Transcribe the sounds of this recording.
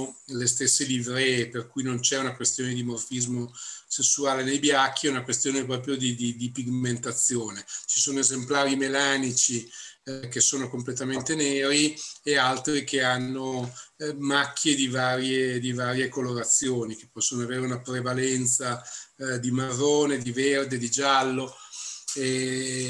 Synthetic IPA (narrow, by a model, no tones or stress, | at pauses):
lest̪esːelivɾeperkujnont͡ʃɛunakwest̪joːned̪imorfizmosesːuaːlenejbjakʰːiɛunakwest̪joːnepɾɔːpɾjod̪id̪id̪ipiɡment̪at̪sːjoːnet͡ʃi̥soːnoezemplaːɾimelaːnit͡ʃi | kesːoːnokomplet̪ament̪eneːɾiealt̪ɾikʰeanːo | makʰːjed̪ivaːɾjed̪ivaːɾjekoloɾat̪sːjoːnik̟e̥pːɔsːonoaveːɾeunapɾevalɛnt̪sad̪imarːoːned̪iverd̪ed̪id͡ʒalːo | e